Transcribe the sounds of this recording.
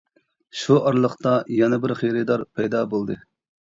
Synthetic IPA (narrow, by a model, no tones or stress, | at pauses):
ʃuɑɾlˠəχt̪ɑjɛnɛbɪɾχeɾɨd̪ɑɾpʰɛjd̪ɑbolˠd̪ɨ